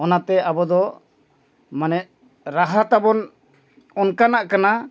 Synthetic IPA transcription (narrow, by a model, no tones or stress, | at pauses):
ɔnat̪ɛʔabɔd̪ɔ | manɛʔ | ɾaɦat̪abɔn | ɔnkanaʔkana